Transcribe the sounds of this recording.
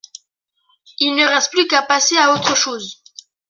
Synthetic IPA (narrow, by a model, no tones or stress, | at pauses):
ilnəʁɛst̪̚plykapaseaot̪χəʃoːz